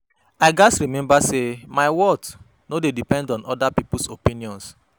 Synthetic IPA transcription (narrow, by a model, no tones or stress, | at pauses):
aɪɡasɹimɛ̃mbasemaɪwɔd | nodedipɛ̃ndɔ̃nɔdapipusopĩniɔ̃ns